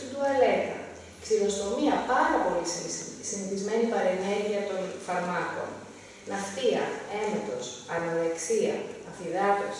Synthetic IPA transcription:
id̪uele̞kɐ̰ | ksilo̞st̪o̞miɐpɐɾɐpo̞lissiniθizme̞nipɐɾe̞ne̞ɾʝiɐt̪o̞nfɐɾmɐko̞̰n | nɐxθiɐ̰e̞net̪o̞sɐnɐðeksiɐ̰ɐfiðɐt̪os

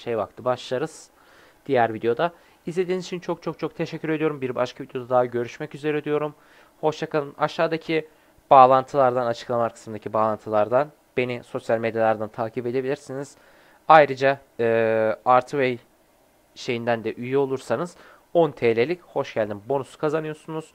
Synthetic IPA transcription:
ʃejba̰k̚t̪ʰɯbaʃlˠaɾɯz̥ | d̪̥ijæɾvid̪ejo̞d̪a | izlʲe̞d̪inizit͡ʃʰint͡ʃʰo̞k̚t͡ʃʰo̞k̚t͡ʃʰo̞k̚t̪ʰe̞ʃɛcʰʲːyɾe̞d̪ijo̞ɾumbiɾbaʃkʰavid̪ejo̞d̪ad̪aɦɟø̞ɾyʃmɛcyze̞ɾɛd̪yjo̞ɾum | ho̞ʃjakalˠɯnʔaʃaːd̪acʰi | b̥aːlˠant̪ʰɯlˠaɾd̪anat͡ʃʰɯklˠamaɾkʰɯ̥smɯnd̪acʰibaːlˠant̪ʰɯlˠaɾd̪an | b̥e̞niso̞sjalʲme̞d̪jalˠaɾd̪ant̪ʰaːcʰipe̞d̪e̞bilʲiɾsiniz̥ | ajɾɯd͡ʒaː | aɾt̪ʰvej | ʃe̞jind̪ænd̪ɛʔyjyo̞lˠuɾsanɯz̥ | o̞nt̪ʰeːlʲelʲicho̞ʃɟælʲd̪imbo̞nusu̥kʰazanɯjo̞ɾsunuz̥

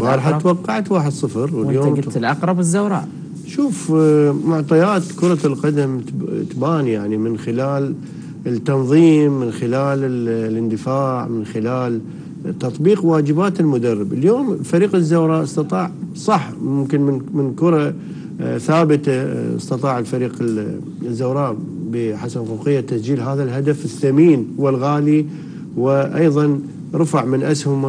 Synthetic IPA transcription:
bɑːɾˤħawɑqːɑʕat̪waːħɪd̪sˤɨfɾwɪljoːmlʔɑqɾˤɑbzːawɾˤɑ̰ːʔ | ʃuːfmʊʕt̪ˤɑjaːt̪kʊɾˤɑlqɑd̪amt̪baːnijaʕnimɪnxɪlaːl | ɪt̪ːɑnðˤiːmːɪnxɪlaːlɪlʔɪnd̪ɪfaːʕmɪnxɪlaːl | t̪ːɑt̪ˤbiːqwaːd͡ʒɪbaːt̪ɪlmʊd̪arˤːɪbaljoːmlfaɾiːqɪzːaːɾˤɑʔɑsˤt̪ɑt̪ˤɑːʕsˤɑħmʊmkɪnmɪnkʊɾˤɑ | θaːbɪt̪aɑ̰sˤt̪ɑt̪ˤɑːʕɪlfaɾiːqɪ | ɪzːaːɾˤɑːʔbəħasabɣuqɪjːat̪asd͡ʒiːlɦaːðalɦad̪afɪθːamiːnwɪlɣaːli | wɪʔɑjðˤɑn | ɾˤɑfaʕmɪnʔashʊm

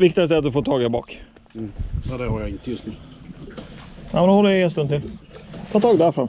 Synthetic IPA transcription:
vɪk̚t̪ɪas̬t̪ɛːt̪d̪ɵfoːt̪ʰɑːɡabɑ̰ːkː | ɛd̪ɛhaɾjaɪnt̪əjɵst̪nʉː | amnʊhɔlːəenst̪ɵnt̪ʰɪlt̪ʰɑːt̪ʰɑːɡd̪ɛæɾfɾam

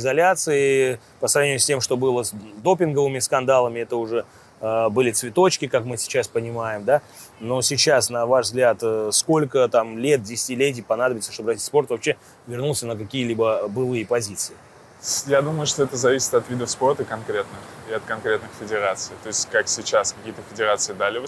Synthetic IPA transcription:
ɪzɐlʲat̪sɨɪ | pəsɾɐvnʲɪmʊsʲtʲemʂt̪o̞bɨlˠəsd̪o̞pʲɪnɡəvɨmʲɪskɐnd̪alˠəmʲɪɛt̪əʊʐɛ | bɨlʲɪt̪svʲɪt̪o̞t͡ɕkʲɪkakmɨsʲɪ̥t͡ɕaspənʲɪmajɪmd̪a | no̞sʲɪt͡ɕasnɐvaʐvzɡlʲat̪sko̞lʲkət̪amlʲet̪̚dʲɪsʲɪ̥tʲɪlʲet̬ʲɪjpɐnad̪əbʲɪt̪səʂt̪obɾrɐtʲitspo̞rt̪vɐpɕːe | vʲɪrnulˠsʲənəkɐkʲijəlʲibəbɨlˠɨjəpɐzʲit̪sɨɪ | jad̪uməjʊʂt̪o̞ɛt̪əzɐvʲisʲɪ̥t̪ɐt̪vʲid̪əfspo̞rt̪əkɐnkɾʲe̞t̪nɨxɪɐt̪̚kɐnkɾʲet̪nɨxfʲɪdʲɪɾat̪sɨjt̪o̞ɪsʲtʲkaksʲɪt͡ɕaskɐkʲijət̪əfʲɪdʲɪɾat̪sɨɪd̪alʲɪv

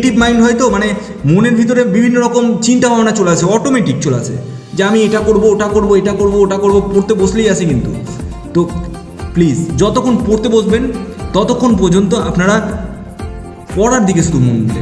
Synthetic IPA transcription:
ʈibmajnɖɦɔjt̪omane | muneɾbʱit̪oɾebibʱinːoɾɔkomt͡ɕint̪abʱabenat͡ɕoleat͡ɕʰeɔʈomeʈik̚t͡ɕolea̰t͡ɕʰḛ | d͡ʑeamieʈakoɾbooʈakoɾboeʈakoɾbooʈakoɾbopoɾt̪eboslejat͡ɕʰekint̪ṵ | t̪o | plizd͡ʑɔt̪okʰːonpoɾt̪eboʃbent̪ɔt̪okʰːonp̬ɔɾd͡ʑont̪oapnaɽa | pɔɽaɾd̪ik̬est̪umunlḛ

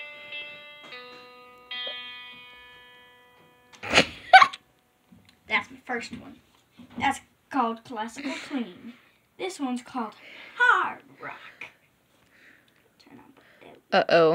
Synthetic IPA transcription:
ðætsðəfɜ˞st̚wʌ̰̃n | ðæts | kʰɔlˠd̚kʰl̥æsəkl̩ˠkʰl̥ĩn | ðɪswʌ̃nz̥kʰɔlˠd̥hɑɹdɹɑ̰k | tʰɜ̰̃˞nə̃n | ɛ̰oʔoʊ

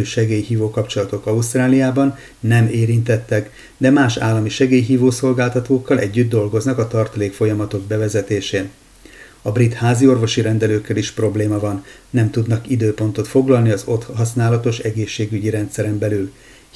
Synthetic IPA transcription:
ʃɛɡeːjɦiːvoːkɒpt͡ʃo̞lɒt̪o̞kɒust̪raːlijaːbɒnː | ɛmeːɾint̪ɛt̪ːɛk | d̪ɛmaːʃa̰ːlːɒmiʃɛɡeːjɦiːvoːso̞lɡaːlt̪ɒt̪oːkːɒlʔɛɟːyd̪̚ːo̞lɡo̞znɒkɒt̪ɒrt̪ɒleːkfo̞jɒmɒt̪o̞ɡ̚bɛvɛzɛt̪eːʃeː | ɒbrit̪haːzio̞rvo̞ʃiɾɛnd̪ɛløːkːɛliʃpro̞bleːmɒvɒnː | ɛmt̪ud̪nɒkid̪øːpo̞n̪t̪o̞t̪fo̞ɡlɒlniɒzo̞t̪hɒsnaːlɒt̪o̞ʃɛɡeːʃːeːɡyɟiɾɛnt̪sɛɾɛmbɛlyl

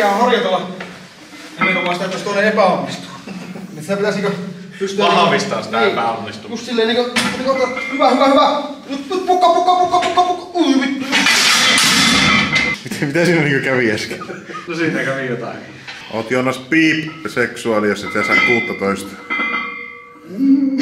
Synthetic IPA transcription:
ææhɑrjɑt̪elːˑɑ | eninomˑɑˑːst̪æet̪ːˑæst̪oˑineepæonːist̪u̥ | nisit̪æpit̪æsniːŋkø | pyst̪yɑɑmist̪ɑ̰ːsi̥niːpæo̰nːist̪ujust̪silːeːˑniːkøniːkokːhyʋæhyʋæhyʋæjupupukːɑpukːɑpukːɑpukːɑpukːuimit̪ːujus | mit̪æmit̪æsiːnæniːŋkøkæʋiæskænosiːnækæʋijot̪ɑ̰kiʔo̰ːt̪joˑnːɑspiːpseksuɑlijosːɑsit̪æsɑˑekkuːt̪ːɑt̪oˑest̪ɑ̥

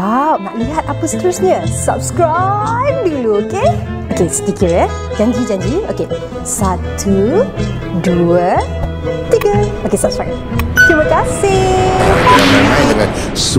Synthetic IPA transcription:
awmaʔliɦat̪̚apəst̪əɾusɲə̃sa̰pskɹajp̚diluoke | ʔokest̪ikiɹɛ | d͡ʒãɲd͡ʒid͡ʒãɲd͡ʒio̰ke | sat̪ʰu | duə | t̪iɡəokesap̚skɹajp̚ | kɾiməkasɪokeakaãjdəŋã̰n | s

